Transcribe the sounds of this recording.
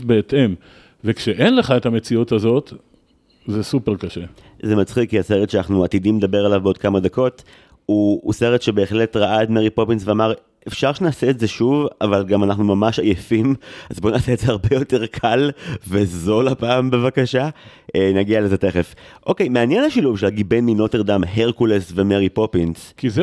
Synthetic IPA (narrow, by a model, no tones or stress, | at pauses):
beːt̪em | vekʃeʔenleχaet̪hame̞t͡siut̪hazo̞t̪ | zesupeʁkaʃe | zemat͡sχikːiaseʁetʃeanaχnuat̪idimed̪abe̞ʁalavbeo̞d̪̚kamad̪ako̞t | uːseʁetʃebe̞ːχle̞tʁaʔaetmeʁipo̞pinsveamaʁ | ʔefʃaʁʃenaːseːtzeʃuvavalɡamanaχnumamaʃajefimazbo̞naːseːtzeaʁbejo̞te̞ʁkʰalve̞zo̞lapaːmbe̞vakaʃa | naɡialezet̪e̞χefʔo̞kejmeanjenaʃiluvʃelaɡid̚benminoteʁd̪amheʁkulesve̞meʁipo̞pinskiz